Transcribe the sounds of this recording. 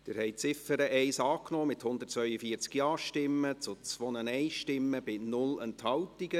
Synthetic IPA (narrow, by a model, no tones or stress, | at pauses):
d̥ɪɾhɛɪt͡sɪfəɾəʔɛɪsɑːknɔːmɪthʊnd̪ət̚t͡svœʏəfiːəɾt͡skjɑːʃtɪmːət͡sʊt͡sʋonənɛɪʃtɪmːəbɪnʊlɛnthɑwtiɡə